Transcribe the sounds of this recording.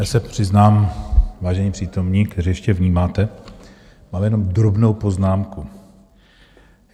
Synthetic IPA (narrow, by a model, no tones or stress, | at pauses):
jaːsɛpr̝̥ɪznaːmvaːʒɛɲipr̝̥iːt̪o̞mɲiːkt̪ɛɾiːjɛʃcɛvɲiːmaːt̪ɛ | maːljɛno̞md̪ɾobno̞wpo̞znaːmku